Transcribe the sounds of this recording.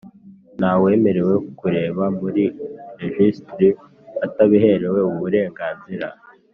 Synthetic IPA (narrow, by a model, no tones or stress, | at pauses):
nawe̞ːme̞ɾe̞we̞kkuɾe̞ːβamuɾiɾeʒistɾi | ataβiɦe̞ɾe̞we̞uuβuɾe̞ːŋɡaːnziɾa̰